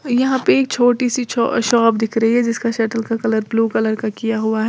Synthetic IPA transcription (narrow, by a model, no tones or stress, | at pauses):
jɐɦãpeeːk̚t͡ʃʰoːʈisḭʃɔːbd̪ɪkʰɾɐɦiɦɛd͡ʒɪskaʃɛːʈəlkakɐləɾbluːkɐləɾkakijaɦuaɦɛː